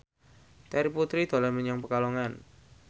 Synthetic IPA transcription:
t̪ɛɾiput̪ɾid̪̥o̤laməɲaŋpəkaloŋan

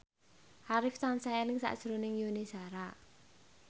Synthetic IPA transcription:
haɾɪfsansaɛnɪŋsa̰ʔd̥ʒ̥ɾonɪŋjonesaɾa

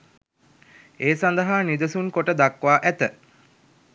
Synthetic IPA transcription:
eːsand̪əɦaːnid̪əsuŋkoʈəd̪akʋaːʔæt̪ə

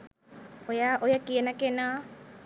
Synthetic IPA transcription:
ojaʔojakiənakena

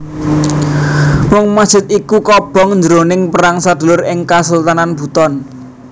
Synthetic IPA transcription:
mʊŋmḁʒ̥ɪ̤t̪̚ikukɔb̥ɔ̤ŋɲd͡ʒəɾonɪŋpəɾaŋsad̪̥ṳlʊɾɪŋkasəlt̪ananb̥ṳt̪ɔn

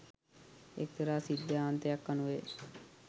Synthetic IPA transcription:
ḛk̚t̪əɾaːsid̪jaːnt̪eakːanueː

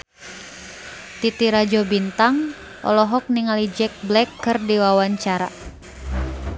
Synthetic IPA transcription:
t̪it̪iɾad͡ʒɔbint̪aŋ | ʔɔ̰lɔɦɔk̚niŋalid͡ʒɛk̚blɛkʰːɨrdiwawaɲt͡ʃaɾa̰

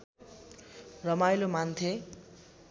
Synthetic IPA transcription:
rʌmajlomant̪ʰe

